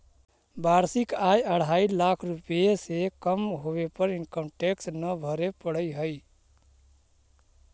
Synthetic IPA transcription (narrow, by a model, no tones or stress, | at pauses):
baɾsikajəɽ̤ailakʰɾupjesekəmɦobepəɾinkəmʈeksnəbʱəɾepəɽ̤əjɦəɪ